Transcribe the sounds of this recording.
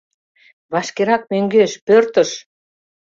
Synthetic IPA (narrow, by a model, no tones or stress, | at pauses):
βɑʃkeɾɑk̚møŋɡeʃpørt̪ə̆ʃ